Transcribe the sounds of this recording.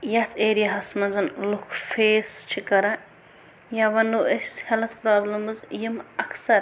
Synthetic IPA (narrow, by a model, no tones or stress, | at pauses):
jɐt̪ʰeːɾijɐɦɐsmɐnzɐnlukʰfʰeːst͡ʃʰikɐɾɐ | jaʋɐnːuʔɐshelɐt̪ʰpɾaːblɐmɨzjimɐkʰsɐɾ